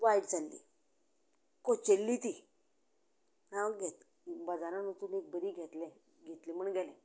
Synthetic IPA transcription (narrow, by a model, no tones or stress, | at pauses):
ʋaiʈd͡zʱalːḭ | kot͡ɕelːit̪i | ɦãɡʱɛt̪ | bəd͡zaɾãnot̪uːnek̚bəɾiːɡʱɛt̪lɛ | ɡʱet̪lim̤əɳɡɛlɛ̃